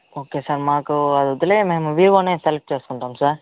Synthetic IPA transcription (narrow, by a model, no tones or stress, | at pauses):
oːkeːsaːɾmaːkɯɐðɯt̪ːɪleːmeːmɐʋiːʋoːnesɛlɛp̚t͡ʃeːskɔɳʈaːmsaːɾ